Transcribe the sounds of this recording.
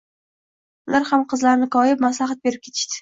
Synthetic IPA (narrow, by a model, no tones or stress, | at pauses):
ʊlaɾhamqʰɨzlaɾnɪkʰɒjɪpmaslaχat̪̚be̞ɾɪp̚kʲe̞t̪ʰɪ̥ʃt̪ɪ̥